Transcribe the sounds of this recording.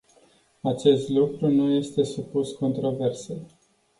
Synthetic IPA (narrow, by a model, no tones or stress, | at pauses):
at͡ʃe̞st̪lukɾunuje̞st̪e̞supusko̞nt̪ɾo̞ve̞rse